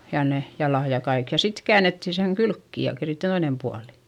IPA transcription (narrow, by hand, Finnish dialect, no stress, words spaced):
jɑ ne jɑlɑˑj jɑ kɑik jɑ sit kæːnetːin seŋ kylkːi jɑ keri toinem puɑli̥